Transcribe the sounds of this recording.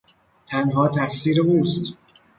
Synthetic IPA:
t̪ʰænɦɒːt̪ʰæfsiːɾeuːst̪

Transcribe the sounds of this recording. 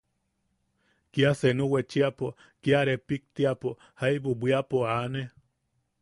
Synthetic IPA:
kiasenuwet͡ʃiapo | kiaɾepik̚t̪iapo | haiβubʷiapoane

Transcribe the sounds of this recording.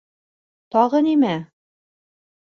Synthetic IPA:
t̪ɒʁɤnimæ

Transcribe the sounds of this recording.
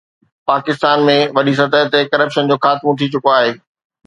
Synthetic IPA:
paːkɪst̪aːnmẽʋɐɗis̬ɐt̪əɦt̪ekɐɾəpʃənd͡ʑoːxaːt̪mõt̪ʰit͡ɕʊkoaːɦeː

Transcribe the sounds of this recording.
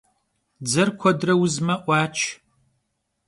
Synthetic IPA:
d͡zɐrkʷʰɔdrɐwʊzmɐʔʷɑːt͡ʃʰ

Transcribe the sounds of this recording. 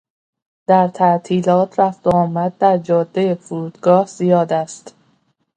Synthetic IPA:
d̪̥æɾt̪ʰæʔt̪ʰiːlɒːt̪ʰɾæft̪oɒːmæd̪̚d̪æɾd͡ʒɒːd̪ːejefuɾuːd̪̥ɡɒːhz̥ijɒːd̪æst̪

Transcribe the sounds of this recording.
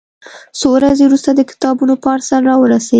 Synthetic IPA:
sowɾazewɾust̪ad̪əkɪ̥t̪ɑbunopːɾsaɾɾɑwəɾase

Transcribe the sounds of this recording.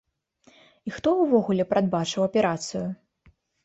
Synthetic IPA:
ixt̪ɔwvɔɣulʲɛpɾad̪̚bat͡ʂɨwɐpʲɛɾat̪sɨju

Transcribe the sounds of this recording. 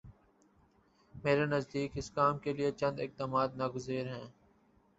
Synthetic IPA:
meːɾenɐzd̪iːkɪskaːmkeliet͡ʃɐ̃nd̪ɪk̚t̪əmaːd̪nɐɡʊzeːɾɦɛ̃ː

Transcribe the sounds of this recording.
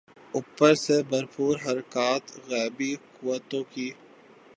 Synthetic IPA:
ʊpːəɾsebəɾpuːɾɦɐɾkaːt̪ɣɛːbikʊwət̪õkiː

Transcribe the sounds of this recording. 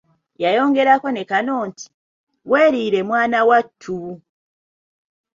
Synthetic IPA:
jajo̞ːŋɡe̞ɾako̞ne̞kano̞ːnti̥ | weːɾiːɾe̞mwaːnawatʰːu

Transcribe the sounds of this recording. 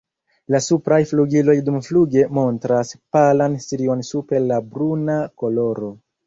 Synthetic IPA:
lasupɾajfluɡilo̞jdumfluɡe̞mo̞ntɾaspalanstiɾio̞nsupe̞ɾlabɾunako̞lo̞ɾo̞

